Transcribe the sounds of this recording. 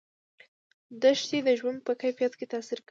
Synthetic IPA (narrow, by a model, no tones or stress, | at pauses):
d̪əʃt̪ed̪əʒwand̪̚pəkajfijat̪ket̪asiɾk